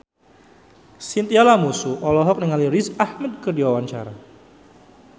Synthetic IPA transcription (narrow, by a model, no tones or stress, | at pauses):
sint̪ialamusuʔɔlɔɦɔk̚niŋalirisahmɛd̪̚kədiwawaɲt͡ʃaɾa